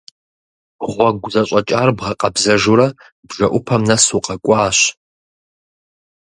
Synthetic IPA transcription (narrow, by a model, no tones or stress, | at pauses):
ʁʷɔɡʷʊzɐɕʼɐt͡ʃʼaːrbʁɐqʼɐbzɐʒuɾɐ | bʒɐʔʷʊpʰɐmnɐsuqʼɐkʷʼɑːɕ